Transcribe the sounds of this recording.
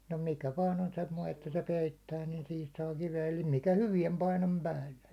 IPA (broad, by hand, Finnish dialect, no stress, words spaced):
no mikæ ʋɑːn on semːoi etːæ se peitːæː niːn sihis sɑː kiʋeæ eli mikæ hyʋiɛm pɑinom pæːlːe